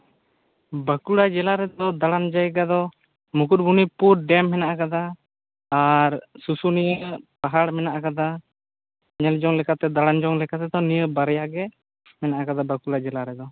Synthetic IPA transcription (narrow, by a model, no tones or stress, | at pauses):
bəkuɽad͡ʒɛlaɾɛd̪ɔd̪aɽand͡ʒaɛɡad̪ɔ | mukuɾ̚bunipuɾɖɛmhɛnaʔakad̪aː | ɾsusunijəpaɦaɽmɛnaʔakad̪a | ɲɛld͡ʒɔŋlɛkat̪ɛd̪aɽand͡ʒɔŋlɛkat̪ɛd̪ɔnijəbaɾɛjaɡɛ | mɛnaʔakad̪abəkuɽad͡ʒɛlaɾɛd̪ɔ